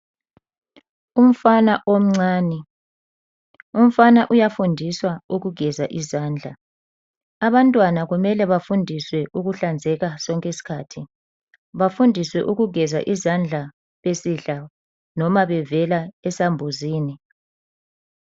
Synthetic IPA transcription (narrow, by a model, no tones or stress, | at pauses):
um̩fanaʔom̩ŋ͡ǀaːni | um̩fanaʔujafundʱiswauɣuɡʱɛzaʔizaːnd͡ɮʱa | aβantʼwanaɣumɛlɛβafundʱiswɛʔuɣuɬand͡zʱɛɣasɔŋkʼesi̥kʰatʰi | βafundʱiswɛʔuɣuɡʱɛza̰ʔizand͡ɮʱa | βesiɬa | nɔmaβɛvɛlaɛsambʱuziːni